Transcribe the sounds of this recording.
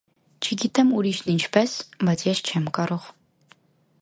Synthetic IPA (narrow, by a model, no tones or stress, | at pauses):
t͡ʃʰɪɡʲitʰɐmuɾiːʃnint͡ʃʰpʰɐsmɐt͡sɛʃt͡ʃʰɐmkʼɐrɨʁ